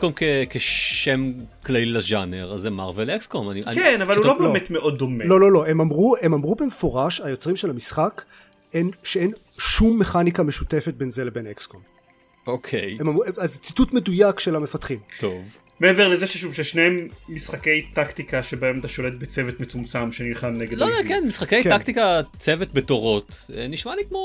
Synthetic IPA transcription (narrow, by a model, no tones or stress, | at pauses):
komkekeʃem | klailaʒaneʁazemaʁvelekskomaniakenavalhulobemet̪meʔo̞d̪̚ːo̞melo̞lo̞lo̞e̞mamʁue̞mamʁubemefo̞ʁaʃhajo̞t͡sʁimʃelamisχak | enʃeen | ʃumːe̞χanikameʃute̞fet̚be̞nzelebe̞nekskom | okʰejemamueazt͡situtmedujakʃelame̞fatχimt̪ov | meeveʁlezeʃeʃuvʃeʃneemːisχake̞jt̪aktikaʃebaemat̪aʃo̞let̪̚bet͡sevet̪met͡sumt͡samʃenilχanːeɡedlokenmisχakejk̪akt̪ikat͡sevetbetoʁo̞t̪ | eniʃmalikmo